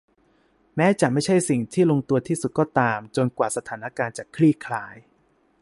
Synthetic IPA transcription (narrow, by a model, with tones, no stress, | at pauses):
mɛː˦˥t͡ɕa˨˩ma˥˩jt͡ɕʰa˥˩jsi˨˩ŋt̪ʰiː˥˩lo˧ŋt̪u˧ɐt̪ʰiː˥˩su˨˩t̪̚kɔː˥˩t̪aː˧mt͡ɕo˧nkwaː˨˩sa˧t̪ʰaː˩˦na˧kaː˧nt͡ɕa˨˩kʰɾiː˥˩kʰlaː˧j